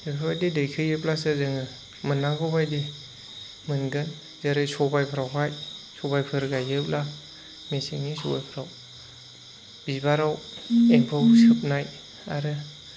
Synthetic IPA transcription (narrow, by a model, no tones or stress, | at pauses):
ɯpʰabajdidɯjkʰɯjɯp̚lasɯzɯŋɯ | mɯnːaŋɡɔbajde | mɯnɡɯn | zaɾɯsɔbajpʰɯɾawɦajsɔbajpʰɯɾɡajɯp̚la | meseŋnisɔba̰jpʰɯɾaw | b̥ibaɾaweŋpʰɯwsɯp̚naj | a̰ɾɯ